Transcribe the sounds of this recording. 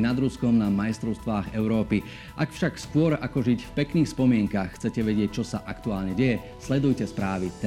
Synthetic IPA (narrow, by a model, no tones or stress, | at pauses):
nad̪ɾuskɔmnamajst̪ɾɔʊst̪ʋaːɣɛʊɾɔːpi | ʔakfʃakskʊɔɾakɔʒicfpɛkniːxspɔmɪɛŋkaːxːt͡sɛcɛʋɛɟɪɛc̚t͡ʃɔsaʔakt̪uaːlɲɛɟɛjɛ | slɛd̪ujcɛspɾaːʋit̪